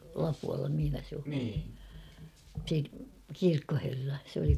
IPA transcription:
lɑpuɑlːɑ mihĭnæ se o se kirkːoherːɑ sĕ oli

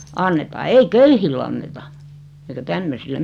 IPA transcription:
ɑnːetɑː ei køyhilː ɑnːetɑ eikæ tæmːøsil em

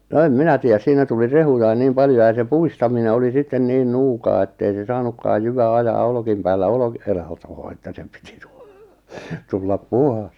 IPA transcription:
no em minæ tiˑæs siːnæ tuli rehujɑin niːm pɑljo jɑ se puistɑmine oli sitːen niːn nuːkɑː etːei se sɑːnukːɑːj jyʋæ ɑjɑː olkiˑm pæːlːæ olki̥ e lɑtoː etːæ se pi̥ti̥ tu̥ tulːɑp puhɑs

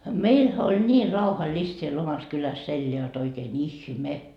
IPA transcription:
meilhæ olʲ nʲiː rɑuhɑlist siel omɑs kylæs elːeæ jot oikeːn ihme

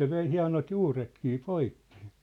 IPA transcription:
se ʋei hiɑ̝not juːretkiː poikːi̥

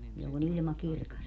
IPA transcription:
jolːon ilmɑ kirkɑs

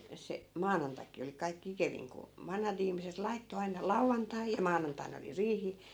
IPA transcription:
se mɑːnɑntɑki oli kɑikːĭ ikeʋiŋ ku ʋɑnhɑt ihmiset lɑitːo ɑinɑ lɑuʋːɑntɑi jɑ mɑːnɑntɑin oli riːhi

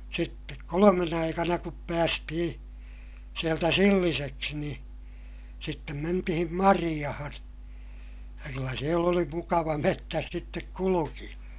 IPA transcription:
sitːek kolomen ɑikɑnɑ kup pæːstihĩː sieltæ silːiseksi niː sitːem mentihim mɑrij̆ɑhɑn jɑ kylːæ siel oli mukɑʋɑ metːæs sitːek kulukij̆ɑ

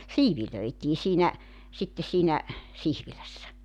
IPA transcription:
siːʋiløitiː siːnæ sitːe siːnæ sihʋilæsːæ

